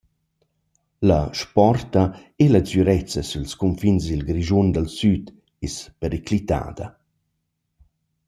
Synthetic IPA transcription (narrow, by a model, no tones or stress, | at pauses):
laʃpɔrt̪a | elat͡syɾɛt͡sɐsulskumfinsilɡɾiʒund̪əlsyt̪ | espəɾeklit̪a̰ːd̪ɐ